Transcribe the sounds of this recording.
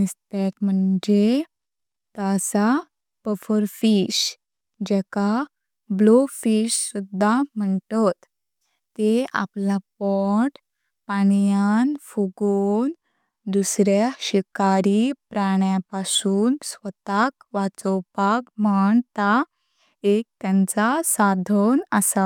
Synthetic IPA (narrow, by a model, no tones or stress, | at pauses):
nist̪et̪m̤əɳd͡ʑe | t̪asa | pəfəɾfiɕ | d͡ʑɛka | blofiɕsud̪ʱːam̤əɳtɔt̪ː | ea̰plapɔʈ | paɳjanfuɡon | d̪usɾjaɕikaɾipɾaɳjapasuːnsʋət̪akʋat͡sɔwpakmaɳt̪a | ek̚t̪jãnt͡sasad̪ʱɔnəsa